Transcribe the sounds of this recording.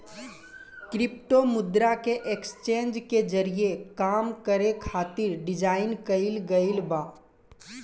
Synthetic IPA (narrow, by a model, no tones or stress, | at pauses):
kɾɪp̚ʈomʊd̪ɾakeʔekst͡ʃẽːnd͡ʒked͡ʒəɾijekaːmkəɾekʰaːt̪ɪɾɖɪd͡ʒaːɪnkəɪlɡəɪlbaː